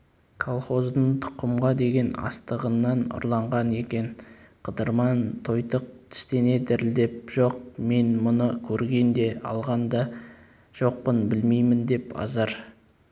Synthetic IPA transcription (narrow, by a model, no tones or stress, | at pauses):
kʰolˠχo̞zd̪əɴt̪ʰʊ̥qːəmʁɑd̪e̞ɡʲe̞nɑ̰st̪əʁənːɑnʊ̰ɾlˠɑɴʁɑne̞kʲe̞n | qʰəd̪əɾmɑnt̪ʰo̞jt̪əq̚t̪ʰɪ̥st̪e̞ne̞d̪ɪɾɪld̪e̞p̚ʒ̥o̞q̚me̞nmʊnəkʲʰɵɾɡʲe̞nd̪e̞ɑ̰lˠʁɑnd̪ɑ | ʒ̥o̞q̚pənbɪlmejmɪnd̪e̞pɑ̰zɑɾ